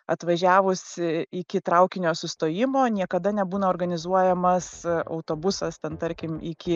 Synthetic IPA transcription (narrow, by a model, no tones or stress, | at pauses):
ɐt̪ʋɐʒʲæːʋʊsʲɪɪkʲɪt̪ɾɐʊkʲɪnʲoːsʊst̪oːjɪmoːnʲiɛkɐd̪ɐnʲɛbuːnɐoːɾɡɐnʲɪzuɔjɛmɐsɐ̰ʊt̪oːbʊsɐst̪ʲɛnt̪ɐɾʲkʲɪmɪkʲɪ